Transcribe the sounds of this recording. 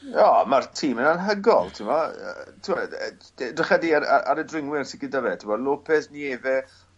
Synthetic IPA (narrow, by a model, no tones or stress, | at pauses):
ɔːmartʰiːmənanɦəɡɔlˠtʰɪmɔə̰tʰɪmɔ | dɪχadiaɾa̰a̰ɾədrɪŋwɪrsɪɡɪdəvɛtʰɪmɔlˠopʰɛθnieːvɛ